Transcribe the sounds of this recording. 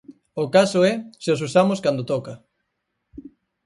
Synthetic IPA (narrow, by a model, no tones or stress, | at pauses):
okasoɛseosusamoskand̪ot̪ɔkɐ